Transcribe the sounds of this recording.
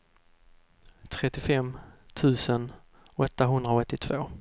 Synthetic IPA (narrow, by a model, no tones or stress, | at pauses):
t̪ʰɾɛt̪ːɪfɛmt̪ʰʉ̟ːsən | ɔt̪ːaɦɵnd̪ɾaɔt̪ːɪt̪ʰv̥oː